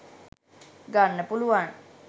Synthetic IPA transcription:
ɡanːəpuluʋan

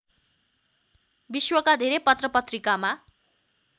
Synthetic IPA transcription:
biswʌkad̪ʱeɾepʌt̪rʌpʌt̪rikama

